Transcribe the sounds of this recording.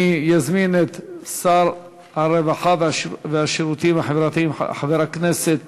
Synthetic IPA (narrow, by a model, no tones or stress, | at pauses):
ijazminet̪saɾ | haɾevaħad̪aveaʃeɾut̪imaħevɾat̪iim̰ħaveɾakneset̪